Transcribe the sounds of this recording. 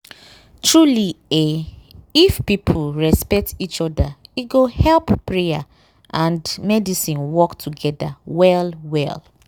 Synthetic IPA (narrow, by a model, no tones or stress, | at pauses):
tɹulieifpipʰʊɹɛspɛk̚tit͡ʃɔdaiɡohɛlppɹea | ʔãndmɛdisĩnwɔktʰuɡɛda̰wɛlwɛ̰l